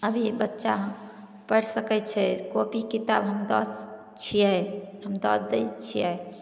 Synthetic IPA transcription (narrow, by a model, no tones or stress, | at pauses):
əbʱibətːʃaɦəm | pəɽsəkɛt͡ʃʰɛkopikit̪abɦəmd̪ɔs | t͡ʃʰiɛhəmd̪ɔsd̪et͡ʃʰijɛ